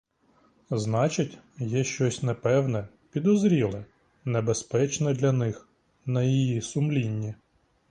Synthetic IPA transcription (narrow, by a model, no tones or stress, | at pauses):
znɑt͡ʃɪtʲ | jɛʃt͡ʃɔsʲnɛpɛwnɛ | pʲid̪ɔzɾʲilˠɛ | nebespɛt͡ʃnɛd̪lʲɐnɪx | nɐjijisʊmlʲinʲːi